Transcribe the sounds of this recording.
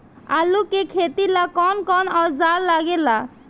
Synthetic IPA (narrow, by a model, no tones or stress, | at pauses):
alukekʰet̪ilakɔnkɔnɔzaɾlaɡela